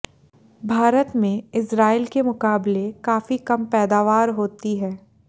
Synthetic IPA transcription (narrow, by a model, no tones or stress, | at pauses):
bʱaːɾət̪mẽɪsɾaːilkemʊkaːblekaːfikɐmpɛːd̪aːʋaːɾɦoːt̪iɦɛː